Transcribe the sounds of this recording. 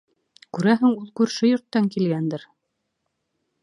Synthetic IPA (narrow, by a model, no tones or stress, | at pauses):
kʉɾæɦɘŋulˠkʉɾʃɘjŏɾt̪ːɑŋkilɡænd̪ɘɾ